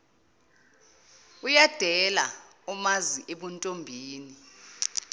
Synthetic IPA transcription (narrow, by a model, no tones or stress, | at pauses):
ujad̥ʱɛlaumaziʔeɓuntʼombʱiːni